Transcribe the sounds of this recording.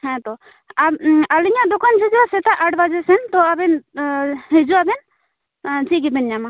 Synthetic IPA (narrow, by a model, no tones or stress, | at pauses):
hɛ̃t̪ɔ | aaliɲad̪ɔkant͡ʃid͡ʒasɛt̪aʔaʈbad͡ʒɛsɛnt̪ɔabɛn | ed͡ʒɔabɛn | t͡ʃiɡibɛnɲama